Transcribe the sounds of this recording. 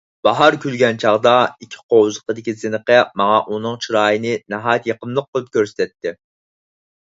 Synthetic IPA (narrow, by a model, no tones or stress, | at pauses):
b̥ɑɦɑɾkʲʰylɡʲɛnt͡ʃʰɑʁd̪ɑikʲʰi̥qʰowzəqəd̪ɪkʲizɪnəqəmɑŋɑʔunɨŋt͡ʃʰiɾɑːjinɨnæɦɑjt̪jeqəmlˠəq̚ʰːolˠup̚kʲøɾsɪ̥t̪ʰɛt̪ːɪ